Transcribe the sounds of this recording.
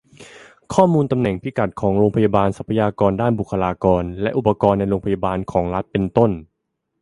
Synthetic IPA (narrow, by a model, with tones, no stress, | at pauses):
kʰɔː˥˩muː˧nt̪a˧mnɛ˨˩ŋpʰi˦˥ka˨˩t̪̚kʰɔː˩˦ŋɾoː˧ŋpʰa˧ja˧baː˧nsa˨˩pʰːa˧jaː˧kɔː˧ndaː˥˩nbu˨˩kʰːa˧laː˧kɔː˧nlɛ˦˥ʔu˨˩pːa˧kɔː˧nːa˧jɾoː˧ŋpʰa˧ja˧baː˧nkʰɔː˩˦ŋɾa˦˥t̪̚pe˧nt̪o˥˩n